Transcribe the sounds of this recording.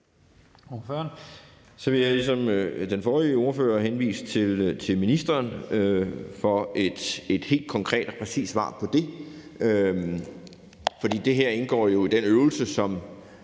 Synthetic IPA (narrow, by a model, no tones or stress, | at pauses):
oføɐn | sɒ̽ʋe̝jalisɒ̽md̥enfɒːʁio̝ɐfø̰ːɐɦenʋḭːst͡sʰe̝lt͡sʰe̝lminisd̥ɐːnøfɒ̽ed̥e̝d̥he̝̰ːld̥̚kʰɒ̽ŋkʰʁɛ̰ːd̥ɒpʰʁɛsḭːsʋɑ̰̈ːpʰɒ̽d̥e̝ø | fɒd̥ḭːd̥e̝ɦæɐ̰e̝nɡ̥ɒ̰ːjo̝id̥enøʊl̩səsɒ̽m